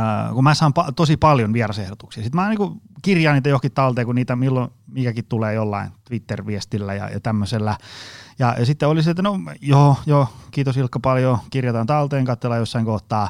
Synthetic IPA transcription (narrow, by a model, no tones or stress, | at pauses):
kumæːsɑːmpɑt̪osipɑljonʋierɑsehdot̪uksiɑsit̪mæɑːniːkukirjɑːniːt̪ːæjohkit̪t̪ɑlt̪eːkunniːt̪æmilːomiːkækit̪t̪uleːjolːɑ̰ḭnt̪ʋit̪ːerʋiest̪ilːæ̰jɑ̰jɑ̰t̪æmːøselːæjɑsit̪ːeoliset̪ːnojoːjoːkiːt̪osilkːɑpɑljokirjɑt̪ɑnt̪ɑlt̪eːŋkɑt̪ːelːɑjosːɑiŋkoht̪ːˑɑː